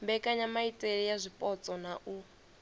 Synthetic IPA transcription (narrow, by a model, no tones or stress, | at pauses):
mbɛkʼaɲamaitʼeɺijazʷipʼɔt͡sʼɔnaʔu